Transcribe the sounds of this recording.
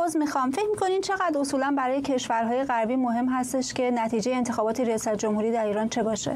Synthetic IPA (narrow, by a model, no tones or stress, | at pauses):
ozmixɒmfe̞cʰmikʰo̞nimt͡ʃʰe̞ɣæd̪ɾo̞suːlænbæɾɒːjecʰe̞ʃvæɾɦɒːje̞ɣæɾbiːmoɦe̞mɦæst̪e̞ʃce̞næt̪ʰiːd͡ʒejeːnt̪ʰe̞xɒːbɒːt̪ʰeɾijɒːsæt̪̚ʰd͡ʒomhuɾiːd̪æɾiːɾɒːnt͡ʃʰe̞bɒːʃḛ